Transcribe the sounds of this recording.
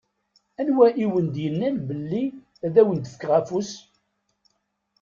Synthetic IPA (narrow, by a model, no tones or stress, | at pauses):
ænwæʔiwənd̪jənːænbəlːi | æðæwənt̪ə̥fkʁæfus